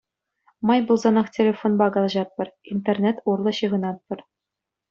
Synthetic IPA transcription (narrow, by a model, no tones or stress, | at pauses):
mɑjbulˠzɑnɑχtʲelʲefonbɑɡɑlˠʑɑt̪̚pɤ̆rint̪ernʲet̪urlˠɤ̆ɕɯʁɤ̆nɑt̪̚pɤ̆r